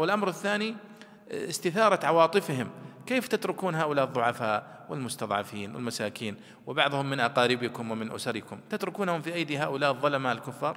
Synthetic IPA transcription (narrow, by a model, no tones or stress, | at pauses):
wɪlʔamɾɪθːaːni | ɪst̪ɪθɑːɾˤɑt̪ʕɑwɑːt̪ˤɨfhɪmkeːft̪at̪ɾʊkuːnɦaːʔʊlaːʔɨðˤːʊʕɑfaːʔ | wɪlmʊst̪ɑðˤʕɑ̰fiːnwɪ̰lmasaːkiːn | wɪbɑʕðˤhʊmːɪnʔɑqɑːɾɪbɪkʊmwɪmɪnʔʊ̰saɾɪkʊmt̪at̪ɾʊkuːnhʊmfiːʔajd̪iːɦaːʔʊlaːʔɨðˤːɑlamaɪlkʊfːɑːɾˤ